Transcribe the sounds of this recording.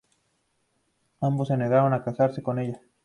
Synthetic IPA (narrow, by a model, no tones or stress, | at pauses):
amboseneðawanakasaɾsekoneja